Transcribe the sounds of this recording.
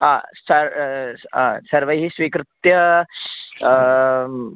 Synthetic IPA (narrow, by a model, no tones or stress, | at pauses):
ãsəɾãsəɾʋəjɦiːsʋiːkɾɪt̪jə